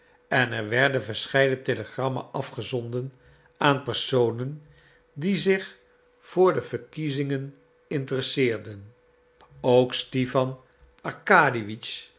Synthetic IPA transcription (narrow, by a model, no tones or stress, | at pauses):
ɛnɛɹʋɛɹdənvəɹsχɛjdənteləχrɑma̰ʔɑfχəzɔndən | ʔaːnpɛɹsownən | dizɪχ | v̥ʊːɹdəvəɹkizɪŋən | ɪntərəsɪːɹdən | owkstifɑn | ɑɹkaːdiʋit͡ʃ